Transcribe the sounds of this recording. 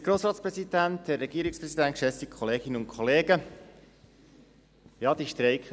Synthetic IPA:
ɡɾoːsɾɑːtspɾɛsid̪ænt̪ɛɾːɛɡ̥iəɾɪkspɾɛsidænt̚kʃɛsikʰχoleːɡɪnəʊnkʰoleːɡə | jɑd̥̪iʃtɾeɪk

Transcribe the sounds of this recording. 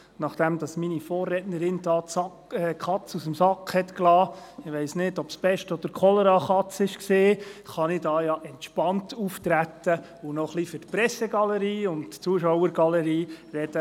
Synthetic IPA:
nɑχd̥ɛmd̥̪ɑsminifoːrːɛtnəɾɪnd̥ɑːtsɑ | ɛχɑt͡susəmsɑkχhɛtklɑːɪʋeɪsnɪdɔpsb̥ɛʃtɔd̥əɾkʰɔlɛɾɑχɑt͡sɪʃkseːχɑnɪd̥ɑːjɑʔɛntʃpɑntʰuft̪ɾæt̪ə | ʊnɔχlifʏɾtpɾɛseɡɑləɾiːʊntt͡suəʃɔwəɾɡ̥ɑləɾiːrɛd̥ə

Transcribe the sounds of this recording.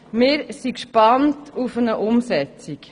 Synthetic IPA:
mɪːɾsikʃpɑntʰufənəʔʊmsɛt͡sik

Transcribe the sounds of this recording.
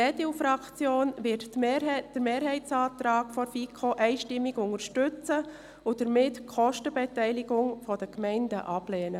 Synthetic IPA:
ɛdiufɾɑkt͡sjoːnʋɪtːd̥əɾmeːɾɦɛɪtt͡sɑːtɾɑːkfɔfikʰoʔɛɪʃtɪmːɪɡʊŋəɾʃtʏt͡sə | ʊd̥əɾmɪtkʰχɔʃtəbɛtɛɪlɪɡʊŋfɔd̥əkmɛɪndəʔɑb̥lɛːnə

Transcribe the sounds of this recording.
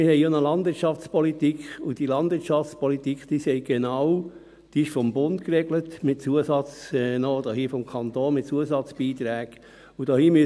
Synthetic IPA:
mɪɾhɛɪonəlɑndʋɪɾtʃɑft͡spɔlitikχʊd̥ilɑndʋɪɾtʃɑft͡spɔlitikχd̥iːsɛɪɡ̥enɑw | d̥iːɪʃfɔmbʊntkɾɛɡlətmɪt̚t͡suəsɑt͡sɛnod̥ɔːhɦiːfɔmkʰɑnt̪oːnmɪt̚t͡suəsɑt͡sb̥iːt̪ɾæːɡ | ud̥ɔːhiːmyə

